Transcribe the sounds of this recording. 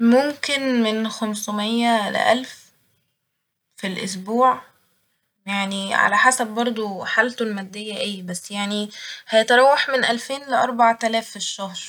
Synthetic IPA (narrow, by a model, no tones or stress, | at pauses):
momkenmenxæmsomejːælḛʔæ̰lf | filʔo̰s̬buːʕ | jaʕniʕa̰læħasæb̚ːɑɾˤd̪ˤuħalt̪olmæd̪ːejːæʔejbæsːjaʕnihæjet̪ɑɾˤɑwːɑħmenʔælfeːnleʔɑɾˤbaʕt̪ælæːfeʃːɑhɾ